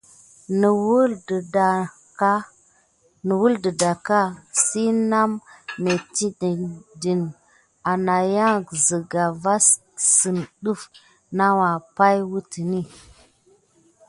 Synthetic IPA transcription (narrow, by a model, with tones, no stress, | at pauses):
n˨wu˦˨˦ | nə˨wu˦ldə˨da˨ka˦si˦na˦mnə˨ti˦ddi˨n | a˨na˨ja˦ŋ˨ɡzi˨ɡa˨va˦s | si˨nɗu˦f | na˦wa˨pa˦jwu˦ti˨ni˦